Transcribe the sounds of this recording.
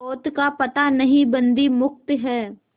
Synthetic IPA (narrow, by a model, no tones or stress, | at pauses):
oːt̪kapɐt̪anɐɦĩbɐ̃nd̪imʊk̚t̪ɦɛː